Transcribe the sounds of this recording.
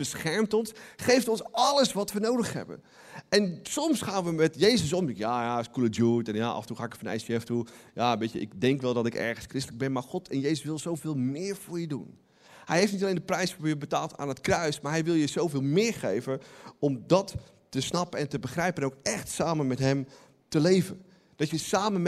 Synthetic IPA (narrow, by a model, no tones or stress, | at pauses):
b̥əsxɛɹmtɔnsχejftɔnsɑləsʋɔtʋənowdəxhɛ̰bə̰ | ɛnsɔmsχaːnʋəmɛtjejzəs̬omɪkjajaskulədjuːtɛnjaʔa̰fəntuxaːɪkəfanɛ̰jsɛftujaʋetjə̰ʔɪ̰kdɛŋkʋɛlˠdɔtɪkɛ̰ɹxənskrɪstləɡ̚bɛnmaxɔtʰɛnjejsəsʋɪlˠsowvɪːlˠmɪːɹvʊːɹjədṵn | hɛjhɦeɪftnitalejndəprɛjsfoːɹjəbətaːlˠtʰa̰ːnətkrœɥsmaɹɦɛjʋɪlˠjəzowvɪːlˠmɪːɹχejvəɔmdɔtː | əsnɑpəɛntəbəxrɛjpənowkɛxtsaːmənmɛtɦɛm | təlejvə | d̥ɔtjəsaːmən